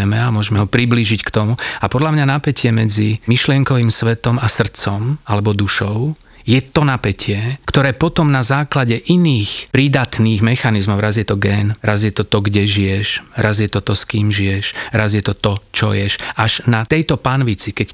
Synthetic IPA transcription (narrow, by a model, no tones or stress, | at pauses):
ɛmɛamʊɔʒmɛɦɔpɾibliʒickt̪ɔmuapɔd̪lamɲanapɛcɪɛmɛd͡zimiʃlɪɛŋkɔʋiːmsʋɛt̪ɔmasr̩t͡sɔmalɛbɔd̪uʃɔʊ | jɛt̪ɔnapɛcʰɪɛkt̪ɔɾɛːpɔt̪ɔmnazaːklaɟɛʔiniːxpɾid̪at̪niːɣmɛxanizmɔʊɾazjɛt̪ɔɡɛːnɾazjɛt̪ɔt̪ɔɡɟɛʒijɛʃɾazjɛt̪ɔt̪ɔskiːmʒijɛʃɾazjɛt̪ɔt̪ɔt͡ʃɔ̰jɛʃʔaʒnat̪ɛjt̪ɔpanʋit͡sikɛc